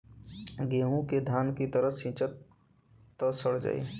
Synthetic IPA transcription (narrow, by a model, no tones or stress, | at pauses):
ɡeːɦũked̪ʱjaːnkit̪əɾəsĩːt͡ʃət̪ː | əsəɽ̤d͡ʒa̰ḛ